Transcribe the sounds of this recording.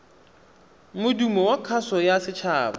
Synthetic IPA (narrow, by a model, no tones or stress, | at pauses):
mʊdumɔwakʰasɔjasɪt͡ʃʰaːba